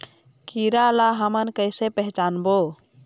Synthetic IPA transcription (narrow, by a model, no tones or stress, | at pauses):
kiɾalaɦəmənkəjsepəɦt͡ʃanbo